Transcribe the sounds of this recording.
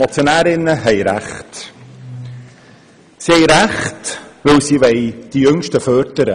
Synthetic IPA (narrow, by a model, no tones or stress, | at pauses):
mot͡sjonæːɾɪnːəɦɛjɾæ̰χt | sihɛɪɾæχtʋɵwsiʋɛɪd̥ijʏŋʃtəfœːɾdəɾə̰